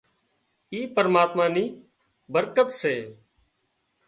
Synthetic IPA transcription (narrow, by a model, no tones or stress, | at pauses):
iːpəɾmaːt̪mãːniː | bəɾkət̪seː